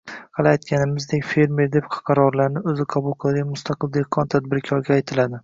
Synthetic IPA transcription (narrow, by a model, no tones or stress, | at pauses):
qʰɑlˠajt̪kʲʰanɪmɪzd̪e̞kʲfe̞ɾme̞ɾd̪e̞p̚qʰqʰɑɾɒɾlaɾnɪɵzɪqʰɑbʊlˠqʰɨlˠd̪ɪkʲmʊst̪ʰɑqʰɨlˠd̪e̞hqʰːɒnt̪ʰad̪bɪɾkʲʰɒɾɡʲaːjt̪ʰɪlad̪ɪ